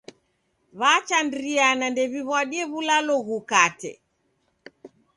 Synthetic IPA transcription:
βat͡ʃandɾianandɛβiβwaɗiɛβulalɔɣukatɛ̰

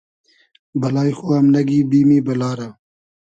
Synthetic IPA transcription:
bɐlaːjxuɐmnɐɡiːbiːmibɐlaːɾa

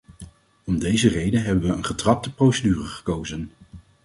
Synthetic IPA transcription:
ɔmdejzərejdənɦɛbənʋəənχətrɑp̚təprowsədyːrəχə̥kowzən

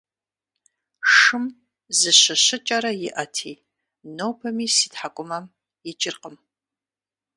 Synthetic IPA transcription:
ʂɨm | zɨɕɐɕɪt͡ʃʼɐɾɐjɪʔɐtʰiː | nowpʰɐmiːsiːtħakʷʼʊmɐm | jɪt͡ʃʼɪrqəm

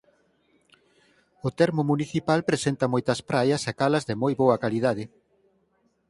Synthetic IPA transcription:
ʊt̪ɛɾmʊmuniθipalpɾesent̪ɐmojt̪ɐspɾajɐsakalɐzðɪmojβoɐkalið̞að̞ɪ

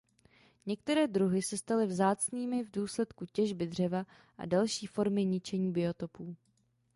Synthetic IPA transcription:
ɲɛk̚t̪ɛɾɛːdɾuɦɪsɛst̪alɪvzaːt͡sniːmɪvduːslɛt̪kucɛʒbɪd̪r̝ɛva | ʔa̰dalʃiːfo̞ɾmɪɲɪt͡ʃɛɲiːbɪo̞t̪o̞puː

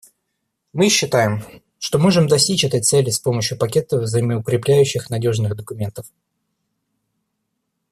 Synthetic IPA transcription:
mɨɕːɪt̪ajɪm | ʂt̪o̞mo̞ʐɨmd̪ɐsʲtʲit͡ɕɛt̪əjt̪sɛlʲɪspo̞məɕjʊpɐkʲe̞t̪əvzəɪmʲəʊkɾʲɪplʲæjʉɕːɪxnɐdʲo̞ʐnɨɣd̪əkʊmʲe̞nt̪əf

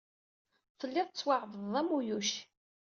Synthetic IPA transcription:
fəlːɪðˤt͡sːwaʕðəðˤæmujuʃ

